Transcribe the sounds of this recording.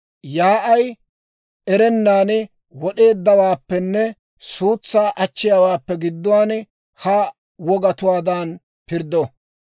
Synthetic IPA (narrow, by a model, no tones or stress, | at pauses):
jaːʔɐj | ɛɾɛnːaːn | wɔɗe̞ːd̪ːɐwaːpːɛnːɛ | suːt͡sːaːʔɐt͡ʃːɪjawaːpːɛɡɪd̪ːʊwaːn | hɐ | wɔɡɐt̪ʊwaːd̪an | pɪɾd̪ɔ